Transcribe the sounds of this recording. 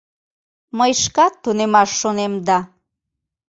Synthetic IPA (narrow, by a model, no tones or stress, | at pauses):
məjʃkɑt̪ːunemɑʃːonemd̪ɑ